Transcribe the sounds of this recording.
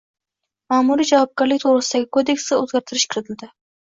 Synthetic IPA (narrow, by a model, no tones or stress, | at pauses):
maːmuɾid͡ʒavɒp̚ɡʲaɾlɪk̚ʲt̪ʰoɾɨsɪd̪aɡʲɪkʰod̪e̞ksɪɵzɡʲaɾt̪ʰɪɾɪʃkʰʲɪɾɪt̪ʰɪld̪ɪ